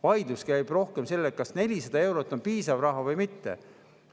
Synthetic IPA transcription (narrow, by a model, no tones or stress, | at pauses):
vɑjd̪uskæjb̥ro̞hkemse̞lːet̪̚kɑsne̞lʲisɑd̪̥ɑe̞wɾo̞t̪ˑːo̞npiːsɑvrɑɦɑvɤjmit̪ːḛ